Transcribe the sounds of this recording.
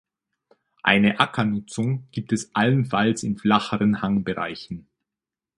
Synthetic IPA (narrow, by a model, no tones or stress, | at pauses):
ʔa̰ɪnəʔakʰɐnʊt͡sʊŋɡ̥iːp̚tɛsʔalənfalsɪnflaχəʁənhaŋbəʁa̰ɪçn̩